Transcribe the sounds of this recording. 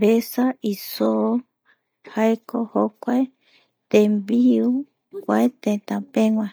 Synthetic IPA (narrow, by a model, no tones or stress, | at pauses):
besaiso | haekohokʷae | t̪embiu | kʷaet̪ẽt̪ãpẽŋʷã